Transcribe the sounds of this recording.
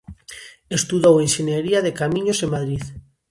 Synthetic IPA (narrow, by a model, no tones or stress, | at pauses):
est̪uðowenʃenjeɾiaðekamĩɲosemaðɾiθ